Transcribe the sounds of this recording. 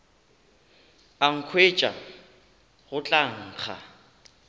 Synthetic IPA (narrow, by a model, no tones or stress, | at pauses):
aŋ̩kʰwet͡ʃʼa̰ | ɣʊt͡ɬʼaŋ̩ːk͡xʰa̰